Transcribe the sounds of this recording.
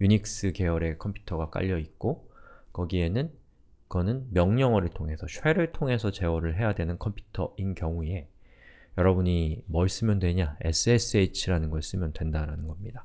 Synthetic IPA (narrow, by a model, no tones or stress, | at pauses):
juɲik̚s͈ɯke̞ʌɾe̞kʰʌmpʰju̥tʰʌɡak͈a̰ʎːʌit̚k͈okʌɡie̞nɯn | kɯʌnɯnmjʌŋɲʌŋʌɾɯɭtʰoŋɦe̞sʰʌɕʰweɾɯɭtʰoŋe̞sʰʌt͡ɕe̞wʌɾɯɭɦe̞jadwe̞nɯnkʰʌmpʰju̥tʰʌʔinkjʌŋue̞ | jʌɾʌbuɲimʌis͈ɯmjʌndwe̞ɲae̞̰s͈ʰɯes͈ʰɯeit͡ɕʰiɾanɯnɡʌis͈ɯmjʌndwe̞ndaɾanɯnɡʌmɲida